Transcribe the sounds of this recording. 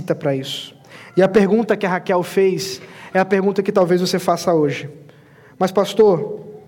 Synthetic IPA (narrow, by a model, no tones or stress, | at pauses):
t̪ɐpɾɐisʊ̥ | ɪɐpeɾɡũnt̪ɐkɪɐɦakɛwfejsɛɐpeɾɡũnt̪ɐkɪt̪awvejzvosefasɐoʒɪ | mɐspast̪oɾ